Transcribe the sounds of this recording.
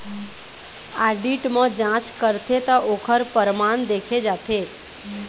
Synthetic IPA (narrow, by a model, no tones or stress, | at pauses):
aɖiʈmãd͡ʒãt͡ʃkəɾt̪ʰet̪aʔokʰəɾpəɾmand̪ekʰed͡ʒat̪ʰe